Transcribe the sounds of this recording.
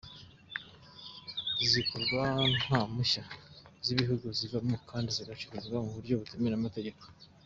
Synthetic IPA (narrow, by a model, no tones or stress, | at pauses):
zikoɾɡwanhamuʃaziβiɦuɡuzivamokʰaːndiziɡat͡ʃuɾuzɡwamuβuɾɟo̞βutumenamate̞ɟe̞ko